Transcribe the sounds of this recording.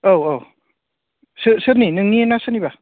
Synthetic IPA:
owow | sɯsɯɾninɯŋnienasɯniba

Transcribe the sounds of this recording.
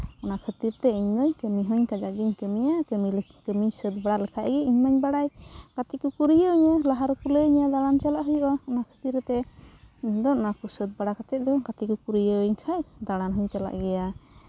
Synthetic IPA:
ɔnakʰət̪iɾt̪ɛiɲd̪ɔɲkəmiɦɔɲkad͡ʒaʔɡiɲkəmijakəmikəmiɲsəd̪̚baɽalɛkʰaʔɡɛiɲmaɲbaɽajkat̪ikukuɾijəɲalaɦaɾkuləɲad̪aɽant͡ʃalaʔɦujuʔaɔnakʰə̥t̪iɾt̪ɛ | ɲd̪ɔɔnakusəd̪̚baɽakat͡ʃɛt̪̚d̪ɔkat̪ikukuɾijəwiɲkʰajd̪aɽanɦɔɲt͡ʃala̰ʔɡɛja

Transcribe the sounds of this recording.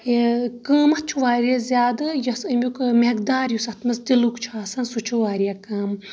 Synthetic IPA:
kəːmɐt͡ʃʰuʋaːɾijɐzʲaːd̪ɨjɐsɨmʲjukmekd̪aːɾjusɐt̪ʰmɐsd̪ilukt͡ʃʰaːsɐnsut͡ʃʰuʋaːɾijakaːm

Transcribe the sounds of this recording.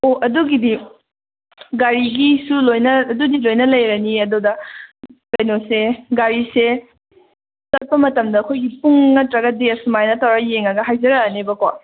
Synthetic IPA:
oɐduɡidi | ɡaɾiɡisulojnɐːdudilojnɐlɐjɾɐniɐdudɐ | pejnoseɡaɾise | sɐt̚pɐmɐtɐmdɐːkʰojɡipuŋːɐtɾɐɡɐdeɐsumajnɐtɐwɾɐjeŋɐɡɐɦajzɐɾɐnebɐko

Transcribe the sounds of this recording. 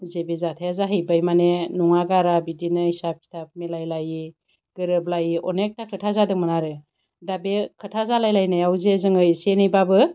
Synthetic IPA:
zebezatʰajazaɦijbajmanenuŋaɡaɾabidinɯhisap̚kʰi̥tʰap̚melajlaji | ɡ̥ɯɾɯblajiʔɔnek̚takʰɯtʰazadɯŋmɯnaɾɯ | dabekʰɯtʰazalajlajnajawzezɯŋɯjsenɯjbabɯ

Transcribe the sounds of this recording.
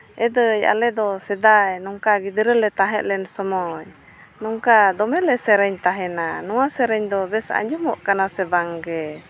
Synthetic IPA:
ʔɛd̪əja̰lɛd̪ɔsɛd̪ajnɔŋkaɡid̪əɾəlɛt̪aɦɛʔlɛnsɔmɔj | nɔŋkad̪ɔmɛlɛsɛɾɛɲt̪aɦɛnanɔwasɛɾɛɲd̪ɔbɛsa̰a̰ɲd͡ʒumɔʔkanasɛbaŋɡɛ

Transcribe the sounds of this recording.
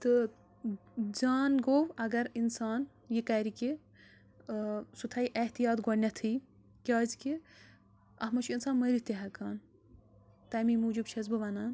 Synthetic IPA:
t̪ɨ | d͡ʒaːnɡowɐɡɐɾinsaːn | jikɐːɾiki | sut̪ʰɐjʔɐht̪ijaːt̪ɡɔnnɐt̪ʰɨj | kʲaːzki | ɐɦmɐt͡ʃʰinsaːnmɐjɾit̪iɦɐkaːn | t̪ɐmimuːd͡ʒub̚t͡ʃʰɐz̬bɨʋɐnaːn

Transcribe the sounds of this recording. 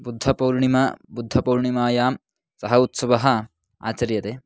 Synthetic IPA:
bud̪ʱːɐpɐwɾɳimabud̪ʱːɐpɐwɾɳimaːjaːm | sɐɦɐut̪sɐʋɐɦɐ | a̰ːt͡ʃɐɾjɐt̪eː

